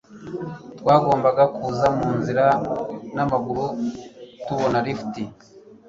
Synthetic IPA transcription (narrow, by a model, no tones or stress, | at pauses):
twaːɡo̞ːmbaɡakuːzamuːnziɾanamaɡuɾutuβo̞naɾifi̥ti